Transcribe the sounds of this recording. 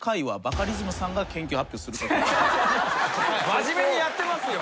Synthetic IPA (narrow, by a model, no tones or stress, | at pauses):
kaiβabakaɾʲizimɯ̟sãŋɡakẽ̞ŋkʲɨːhapʲjo̞ːsɨɾɯ̟t̪oto | maʑime̞ɲ̟ijat̪ːe̞masɨjo